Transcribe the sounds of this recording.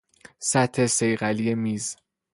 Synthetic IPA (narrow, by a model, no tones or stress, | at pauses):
sæt̪ʰːe̞se̞jɢælije̞miːz